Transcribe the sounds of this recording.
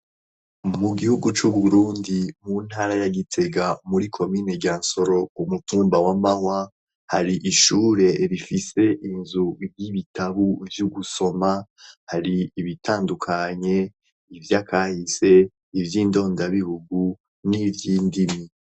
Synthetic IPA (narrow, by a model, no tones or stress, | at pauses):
muɡihuɡut͡ʃuβuuɾuːndimun̥haːɾajaɡitʰe̞ɡamuɾikʰo̞miːne̞ɟaːnso̞ɾo̞umutuːmbawamahwa | haɾiʔiʃuːɾe̞ɾifise̞ʔinzubjiβitʰaβuvjuɡuso̞ma | haɾiːβitʰaːndukʰaɲe̞ | ivjakaːhise̞ | ivjiːndo̞ːndaβihuɡu | nivjiːndimi